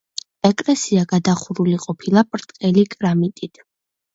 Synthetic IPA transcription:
ɛkʼlɛsiaɡad̪aχuɾuliqʼɔpʰilˠapʼɾt̪ʼqʼɛlikʼɾamit̪ʼit̪ʰ

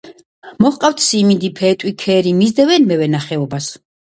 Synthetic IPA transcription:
mɔχqʼaft̪ʰsimid̪ipʰɛt̪ʼwikʰɛɾimizd̪ɛvɛnmɛvɛnaχɛɔbas

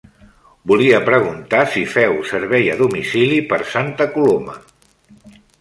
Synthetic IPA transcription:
buliəpɾəɣ̞unt̪asifɛwsəɾβɛjəðumisilipəɾsant̪əkulomə̰

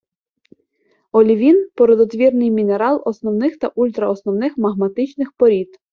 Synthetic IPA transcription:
ɔlʲiʋʲinpɔɾɔd̪ɔt̪ʋʲirnɪjmʲineɾɑlˠɔsnɔwnɪxt̪ɐʔulʲt̪ɾɐɔsnɔwnɪxmɐɦmɐt̪ɪt͡ʃnɪxpɔɾʲit̪

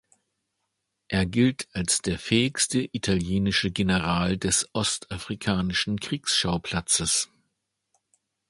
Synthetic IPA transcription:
ʔeːɐɡɪltʰalsd̥eːɐfɛːɪçstəʔitʰaljeːnɪʃəɡenəʁaːldɛsʔɔstʔafʁ̥ikʰaːnɪʃn̩kʁ̥iːksʃaʊpʰl̥at͡səs

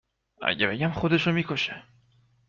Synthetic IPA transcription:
æ̰ɟebe̞ɟæmxod̪e̞ʃomikʰoʃe

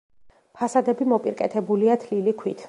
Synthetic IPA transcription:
pʰasad̪ɛbimɔpʼiɾkʼɛ̰t̪ʰɛbuliat̪ʰlilikʰwit̪ʰ

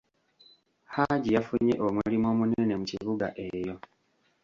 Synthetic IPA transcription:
haɟijafuɲe̞ʔomuulimo̞ːmunene̞muciβuɡa̰ʔe̞jo̞

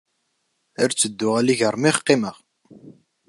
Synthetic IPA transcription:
əɾt͡sːəd̪ːʊʁæliʝəɾˤmiχqːiməʁ

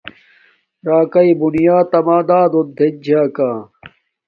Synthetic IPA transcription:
ɾaːkɐibunijaːt̪ɐmaːd̪aːd̪od̪ʱːed͡ʑʱaːkaː

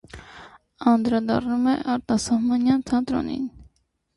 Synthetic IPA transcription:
ɑnd̪ɾɑd̪ɑ̰rnumɛʔɑɾt̪ɑsɑhmɑnjɑnt̪ʰɑnt̪ɾɔ̰nḭn

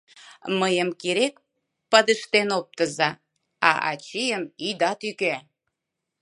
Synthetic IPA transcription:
məjəmkiɾek̚ | pɑd̪əʃt̪enop̚t̪əzɑ | ɑ̰ʔɑ̰t͡ɕijəmid̪ɑt̪yke

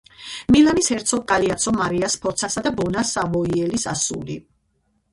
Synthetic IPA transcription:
milanishɛɾt̪sʰɔɡ̚kʼaliat̪sʰɔmaɾiaspʰɔɾt̪sʰasad̪abɔnasavɔiɛlisasṵli

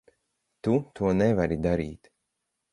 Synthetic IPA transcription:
t̪ut̪uɔnevaɾid̪aɾiːt̪

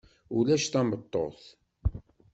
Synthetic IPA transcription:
ulæʃθæmbət̪ˤːo̰θ

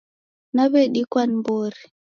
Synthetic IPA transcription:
naβɛɗikwanmboɾi

